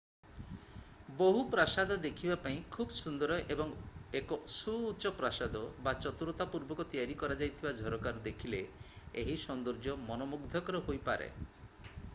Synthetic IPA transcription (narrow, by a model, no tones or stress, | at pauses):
boɦupɾasad̪ɔd̪ekʰibapaĩkʰubɔsund̪ɔɾɔʔebɔŋekɔsuːt͡ʃɔpɾasad̪ɔbat͡ʃɔt̪uɾɔt̪apuɾbɔkɔt̪ijaɾikɔɾad͡ʒajt̪ʰibad͡ʒʱɔɾɔkaɾud̪ekʰile | eɦisɔnd̪ɔɾd͡ʒɔmɔnɔmuɡd̪ʱɔkɔɾɔɦojpa̰ɾḛ